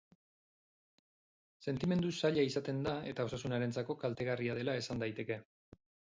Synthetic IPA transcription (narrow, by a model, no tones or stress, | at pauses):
se̞nt̪ime̞nd̪usaʎaisat̪e̞nd̪ae̞t̪ao̞sasunaɾe̞nt͡sako̞kalt̪e̞ɣariað̞e̞lae̞sand̪ajt̪e̞ke̞